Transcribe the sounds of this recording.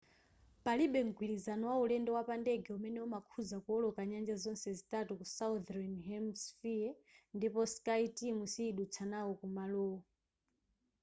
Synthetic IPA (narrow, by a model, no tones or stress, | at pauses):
paliɓɛŋɡwilizanɔwaulɛndɛwapandɛɡɛumɛnɛumakʰuzakuɔlɔkaɲand͡ʒazɔnsɛzitatukusaud̪ɾɛnɦɛmsfiandipɔskaitimusiːɗut͡sʰanawɔkumalɔːɔ